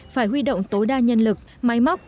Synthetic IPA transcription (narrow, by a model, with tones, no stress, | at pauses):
faː˧˩jɦwi˧ɗo̰˧˨wŋ͡mt̪o˨˦jɗaː˧ɲə˧nlɨ˨˩k̚ma˨˦jma˦˥wk͡p̚